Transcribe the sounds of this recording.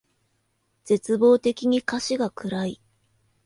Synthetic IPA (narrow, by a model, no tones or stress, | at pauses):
d͡z̥e̞t͡sɨbo̞ːt̪e̞kʲiɲ̟ikaɕiɡakɯ̟ɾai